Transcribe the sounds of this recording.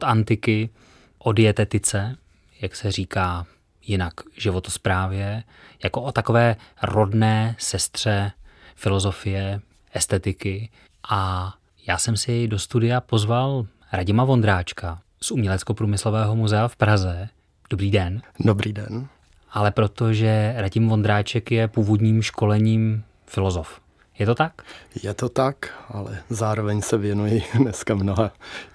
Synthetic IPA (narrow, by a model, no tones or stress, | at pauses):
t̪ant̪ɪkɪ | ʔodɪɛt̪ɛt̪ɪt͡sɛ | jaksɛriːkaː | jɪnakʒɪvo̞t̪ospɾaːvjɛ | jako̞ʔot̪ako̞vɛːɾo̞dnɛːsɛst̪r̝̥ɛfɪlo̞zo̞fɪjɛ | ʔɛst̪ɛt̪ɪkɪ | ʔa | jaːsɛmsɪjɛjdo̞st̪udɪjapo̞zval | ɾaɟɪmavo̞nd̪ɾaːt͡ʃka | sʔumɲɛlɛt͡sko̞pɾuːmɪslo̞vɛːɦo̞muzɛafpɾazɛ | d̥obɾiːdɛndobɾiːdɛn | ʔalɛpɾo̞t̪o̞ʒɛɾaɟɪmvo̞nd̪ɾaːt͡ʃɛkjɛpuːvo̞dɲiːmʃko̞lɛɲiːm | fɪlo̞zo̞f | jɛt̪o̞t̪akjɛt̪ot̪akʔalɛ̰zaːɾovɛɲsɛvjɛnujɪnɛskamnoɦa